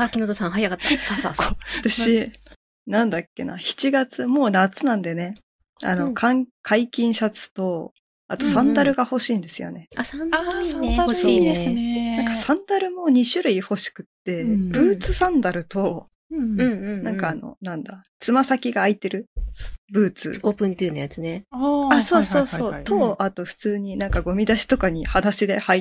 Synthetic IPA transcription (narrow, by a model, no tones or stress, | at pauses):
akʲinot̪osãɰ̃ɦajakat̪ːasasaat̪aɕi | nãnd̪akʲːe̞̰nʔa̰çi̥t͡ɕiɡat͡sɨmo̞ːnat͡sɨnãnd̪e̞ne̞ | a̰no̞kʰãŋkʰaikʲĩɰ̃ɕat͡sɨ̥t̪o̞ | at̪o̞sãnd̪aɾɯ̟ɡaho̞ɕiːnd̪e̞sɨjo̰ne̞asaasaaɾɕid̪esɨnenãŋkasãnd̪aɾɯ̟mo̞ɲ̟iɕɨɾɯ̟iho̞ɕi̥kɯ̟̥t̪ːe̞b̥ɯ̟ːt͡sɨsãnd̪aɾɯ̟t̪õ̞ | nãŋkaːno̞̰nãnd̪a | t͡sɨmasakʲiɡaːit̪e̞ɾɯ̟bɯ̟ːt͡sɨ̰oːpɯ̟̃nt̪eɯnajat͡sɨneaso̞ːso̞ːso̞ːt̪ʰo̞ʔat̪o̞ɸɯ̟̥t͡sɨːɲ̟inãŋkaɡo̞mʲid̪aɕi̥t̪o̞kaɲ̟ihad̪aɕid̪e̞hai